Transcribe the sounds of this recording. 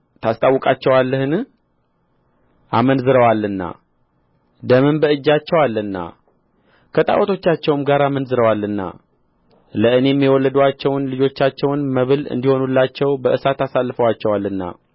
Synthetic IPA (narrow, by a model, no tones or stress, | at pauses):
t̪ʰast̪ʼawːɔkʼat͡ʃːɛwalːəhɨn | ʔamənzɨɾəwalːɨnːa̰ | d̪əmɨnbəɨd͡ʒːat͡ʃːɛwalːɨnːa̰ | kʰət̪ʼa̰wt̪ʰo̞t͡ʃːat͡ʃːɛwmɡaɾamənzɨɾəwalːɨnːa̰ | ləʔɨne̞mːiwɔlːəd̪uat͡ʃːɛwnlɨd͡ʒo̞t͡ʃːat͡ʃːɛwnməβɨlɨ̰nd̪iho̞nulːat͡ʃːɛwbəʔɨsat̪asalːɨfəwat͡ʃːɛwalːɨnːa̰